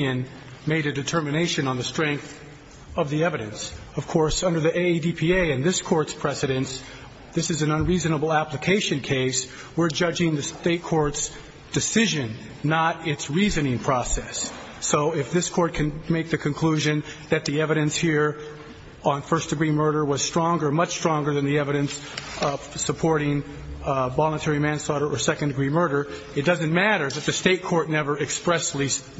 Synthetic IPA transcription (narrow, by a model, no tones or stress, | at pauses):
ɨ̃n | meɪɾɨdɨtʰɜ˞mɨneɪʃɨ̃nə̃nðɨstɹ̥ɛ̃ŋk̚θ | ʌvðiɛvɨɾɨ̰̃ns | ʌv̥kʰɔɹsʌ̃ndə˞ðiʔeɪdipʰieɪɨ̃nðɪskʰɔɹtspʰɹ̥ɛsɨɾɨ̃ns | ðɪsɨzɨ̃nə̃nɹizɨnəbl̩ˠæpləkʰeɪʃɨ̃nkʰeɪs | wɪɹd͡ʒʌd͡ʒɪ̃ŋðɨsteɪt̚kʰɔɹts | d̥ɨsɪʒɨ̃nː | əɾɪtsɹizɨnɪ̃ŋpʰɹ̥ɔsɛsː | oʊɪfðɪskʰɔɹt̚kʰɨ̃nmeɪk̚ðɨkʰɨ̃nkʰl̥ʉʒɨ̃nðɨt̪̚ðiɛvɨɾɨ̃nshiɹ | ə̃nfɜ˞sd̥ɨɡɹimɜ˞ɾə˞wʌz̥stɹ̥ɔ̃ŋɡə˞mʌt͡ʃstɹ̥ɔ̃ŋɡə˞ðɨ̃nðiɛvɨɾɨ̃ns | ʌv̥səpʰɔɹɾɪ̃ŋ | vɑlˠə̃ntʰɛɹimæ̃nslɔɾə˞ʔə˞sɛkɨ̃ndɨɡɹimɜ˞ɾə˞ | ɨt̚d̥ʌzɨ̃nmæɾə˞ðɨt̪̚ðɨsteɪt̚kʰɔɹtⁿnɛvə˞ɨkspɹɛsli